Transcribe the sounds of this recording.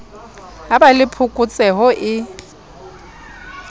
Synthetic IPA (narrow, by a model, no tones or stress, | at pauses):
abalɪpʰʊkʼʊt͡sʼɛɦɔʔɪ